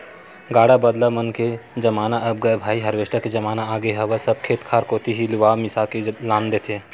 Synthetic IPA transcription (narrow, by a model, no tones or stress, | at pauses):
ɡaːɽabəd̪lamənked͡ʒɐmaːnaʔɐb̚ɡɐebʱaːiɦɐɾʋeːʃʈaked͡ʒɐmaːnaaːɡeɦɐʋəsəb̚kʰeːt̪kʰaːɾkoːt̪iɦilɪʋaːmɪsakelãːnd̪et̪ʰe